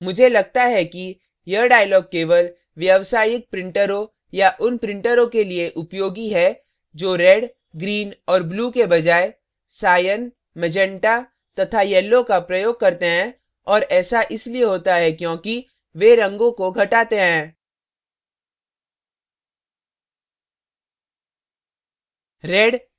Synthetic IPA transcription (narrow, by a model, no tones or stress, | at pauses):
mʊd͡ʒʱelɐɡ̚t̪aɦɛki | jɐɖaːɪjlɔːɡ̚keːʋəl | ʋjɐʋsaːjɪk̚pɾɪ̃ɳʈəɾõ | jaʔʊnpɾɪ̃ɳʈəɾõkelieʔʊpjoːɡiɦɛ | d͡ʒoːɾɛɖ | ɡɾiːnɔːɾbluːkebɐd͡ʒaːe | saːjən | mɐd͡ʒɛ̃ɳʈa | t̪ɐt̪ʰajɛːlːõkapɾɐjoːɡ̚kɐɾt̪eɦɛ̃ː | ɔːɾɛːsaʔɪslieɦoːt̪aɦɛkjõːki | ʋeɾɐ̃ŋɡõkoɡʱɐʈaːt̪eɦɛ̃ː | ɾɛːɖ